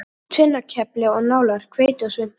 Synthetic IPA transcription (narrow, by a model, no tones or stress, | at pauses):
t̪ʰvɪnːacʰɛplɪɔɣnaːwlaɾ̥kʰveːjt̪ʏsʏn̥